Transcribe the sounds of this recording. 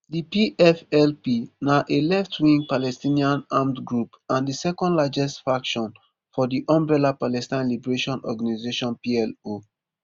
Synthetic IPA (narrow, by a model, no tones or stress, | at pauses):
dipiʔɛfɛlpinaʔelɛftwĩŋpalɛstĩniãnãmtɡɹupãndisɛkɔ̃ndlad͡ʒɛstfɹakʃɔ̃n | fɔdiʔɔ̃mbɹɛlapalɛstãɪ̃nlibɛɹeʃɔ̃nɔ̰ɡanizeʃɔ̃npiɛlo